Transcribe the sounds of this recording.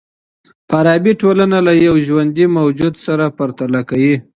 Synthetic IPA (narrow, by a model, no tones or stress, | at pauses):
paɾɑbiʈolanalajawʒwand̪imawd͡ʒud̪saɾapaɾt̪alakawi